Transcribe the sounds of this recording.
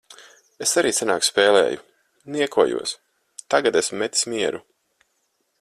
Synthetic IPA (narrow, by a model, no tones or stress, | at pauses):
esaɾiːsana̰ːkspeːlˠɛ̰ːju | niɛkuɔjṵɔs | t̪aɡat̪esmːɛt̪i̥smʲiɛɾu